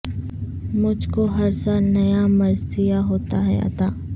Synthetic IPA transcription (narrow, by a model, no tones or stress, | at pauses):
mʊd͡ʒʱkoɦɐɾsaːlnɐjamɐɾsijaɦoːt̪aɦɛ̰ɐ̰t̪aː